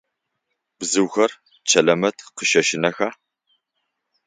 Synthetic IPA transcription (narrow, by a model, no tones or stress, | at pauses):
b̥zɨwxɐr | t͡ʃʰɐlɐmɐtʰqəʃɐʃɪnɐxaː